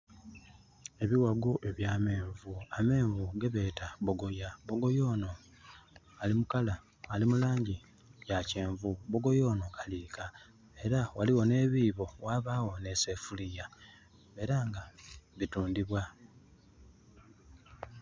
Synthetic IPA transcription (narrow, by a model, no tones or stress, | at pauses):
e̞βiwaɡoʔe̞βjaːme̞ːɱvuame̞ːɱvuɡe̞βe̞ːtaβo̞ɡo̞jabo̞ɡo̞jo̞ːno̞ | alimukalaː | limulaːɲɟi | jace̞ːɱvubo̞ɡo̞jo̞ːno̞kʰḁliːka | e̞ɾawaliwo̞ne̞ːβiːβo̞waːβaːwo̞ne̞se̞fulija | e̞ɾaŋɡaβituːndiβwa